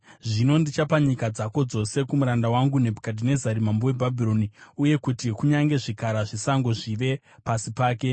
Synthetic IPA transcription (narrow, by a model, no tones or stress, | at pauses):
ʐino̞ndit͡ʃapaɲikad͡zako̞d͡zo̞se̞kumuɾandawaŋɡune̞bʱukadʱine̞zaɾimambowe̞bʱabʱiro̞niuje̞kutikuɲaŋɡe̞ʐikaɾaʐisaŋɡo̞ʐiʋe̞ | pasipaːke̞